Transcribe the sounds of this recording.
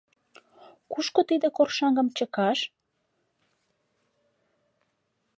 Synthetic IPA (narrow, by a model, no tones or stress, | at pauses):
kuʃkot̪id̪ekorʃɑŋɡəmt͡ɕəkɑʃ